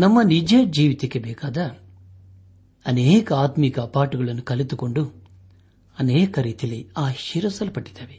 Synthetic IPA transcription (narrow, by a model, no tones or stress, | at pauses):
nɐmːɐnid͡ʒeːd͡ʒiːʋit̪ekːebɛːkaːd̪ɐ | ɐneːkɐaːt̪mikɐːpaːʈuɡɐɭɐnːukɐlit̪uko̞ɳɖu | ɐneːkɐɾiːt̪ijɐliaːʃiɾɐsɐlpɐʈːi̥d̪ːaːʋe